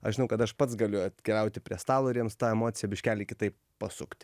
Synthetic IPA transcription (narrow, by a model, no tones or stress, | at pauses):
ɐ̰ʃʒʲɪnɐʊkɐt̪ɐʃpɐt̪sɡɐlʲʊɐt̪kʲɛlʲɛʊt̪ʲɪpʲɾʲiɛst̪ɑːlˠoːɾʲiɛmst̪ɑːɛmoːt̪sʲɪjɛbʲɪʃʲkʲæːlʲɪkʲɪt̪ɐɪp | pɐsʊkt̪ʲ